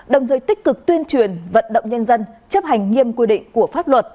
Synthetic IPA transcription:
ɗə˨˩wt̪ʰəː˨˩jt̪ï˦˥k̟̚kɨ˨˩k̚t̪wənt͡ɕwi˧˩ənvə̰˧˨nɗə̰˧˨wŋ͡mɲə˧nzə˧nt͡ɕə˦˥p̚ha˨˩jŋ̟ŋi˧əmkwi˧ɗḭ̈˧˨ŋ̟ku˧˩əfaː˦˥p̚lwə˨˩t̚

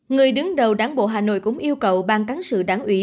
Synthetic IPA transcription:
ŋɨ˨˩əjɗɨ˨˦ŋɗə˨˩wɗaː˨˦nɓo̰˧˨ɦaː˨˩no̰˧˨jkʊ̰˧˥ŋ͡mʔi˧əwkə˨˩wɓaː˧nka˨˦ŋsɨ̰˧˨ɗaː˧˩˦ŋʔwi˧˩˦

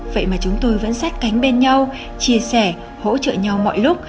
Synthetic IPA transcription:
və̰˧˨jmaː˨˩t͡ɕʊ˨˦ŋ͡mt̪o˧jvə̰˧˥nsa˦˥t̚ka˨˦jŋ̟ɓe˧nɲa˧w | t͡ɕi˧˩əsɛ˧˩ | ho̰˧˥t͡ɕə̰ː˧˨ɲa˧wmɔ̰˧˨jlʊ˦˥k͡p̚

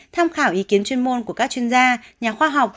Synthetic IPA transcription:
t̪ʰaː˧mxaː˧˩wʔi˨˦ki˨˦ənt͡ɕwi˧ənmo˧nku˧˩əkaː˦˥k̚t͡ɕwi˧ənzaː˧ɲaː˨˩xwaː˧ɦa˨˩wk͡p̚

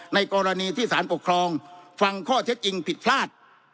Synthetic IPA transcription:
na˧jkɔː˧ɾa˧niː˧t̪ʰiː˥˩saː˩˦npo˨˩kʰɾɔː˧ŋfa˧ŋkʰɔː˥˩t̪ʰe˦˥t̪̚ʔt͡ɕi˧ŋpʰi˨˩t̪̚pʰlaː˥˩t̪̚

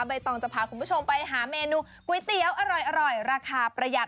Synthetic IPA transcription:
ba˧jt̪ɔː˧˩ŋt͡ɕa˨˩pʰaː˨˩kʰu˧mbuː˦˥˩t͡ɕʰo˧mpa˧jɦaː˩˦meː˧nuː˧˥ | ku˧˦jt̪i˧˦əwʔa˧ɾɔ˨˩jʔa˧ɾɔ˨˩jɾaː˧kʰaː˧pɾa˧ja˨˩t̪̚

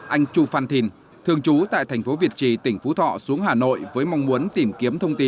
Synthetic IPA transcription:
ʔa˧jŋ̟t͡ɕu˧faː˧˩nt̪ʰi˧˩n | t̪ʰɨ˧əŋt͡ɕu˨˦t̪a̰ː˧˨jt̪ʰɛ˨˩j̟fo˨˦vi˨˩ət̚t͡ɕi˧˩t̪ï˧˩ŋ̟fu˨˦t̪ʰɔ̰˧˨su˨˦əŋɦaː˨˩no̰˧˨jvəː˨˦jma˧wŋ͡mmu˨˦ənt̪i˨˧˩mki˨˦əmt̪ʰə˧wŋ͡mt̪i˧˦n

